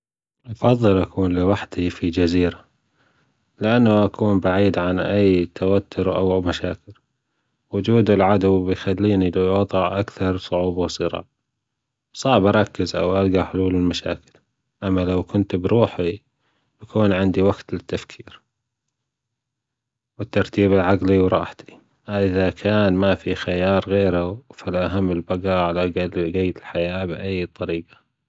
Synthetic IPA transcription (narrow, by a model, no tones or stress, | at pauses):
ʔɑfɑðˤːɨlʔakʰuːnlɪwaħd̪̥ifid͡ʒaziːɾa | lɪʔanːaʔakuːnbaʕiːd̪ʕanʔajːt̪ʰawat̪ʰːʊɾʔa̰wmaʃaːkɪl | wʊd͡ʒuːd̪ɪlʕad̪wbjxalːiːnilawɑðˤɑʕʔakθɑɾˤsˤʊʕuːbawsˤɨɾɑ̰ːʕ | sˤɑːʕbɑɾˤɑkːɪzʔa̰wʔalɡaħʊluːlɪlmaʃa̰ːkɪl | ʔamːalawkʊnt̪bɾuːħi | b̥akʰuːnʕɪnd̪iwaɡt̪lɪt̪ːafkʰiːɾ | wɪt̪ːɑɾˤt̪iːbɪlʕaɡliwɾˤɑ̰ːħt̪i̥ | ʔaʔɪðakʰaːnmafixajɑːɾˤɣeːɾafɪlʔaɦamːɪlbaɡaʕalaɡɡejːt̪ɪlħajaːbʔajːt̪ˤːɑɾiːqḁ